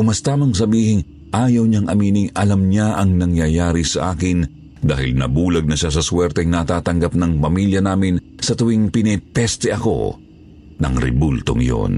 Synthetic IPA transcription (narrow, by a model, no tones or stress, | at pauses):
ʊmɐst̪aːmɐŋs̬ɐbiːhɪŋ | ʔaːjɐwɲaŋʔɐmiːnɪŋɐlɐmɲaʔɐŋnɐŋjajaːɾisɐ̰ʔaːkɪn | d̪a̰ːhɪlnɐ̰buːlɐɡ̚nɐʃas̬ɐswɛɾt̪ɛŋnat̪aːt̪ɐŋɡap̚nɐŋpɐmiljɐnaːmɪn | sɐt̪ʊwiŋpɪnɛt̪ɛst̪ɛʔɐko̞̰ | nɐ̰ŋɾɛ̰bult̪o̰ŋjo̰n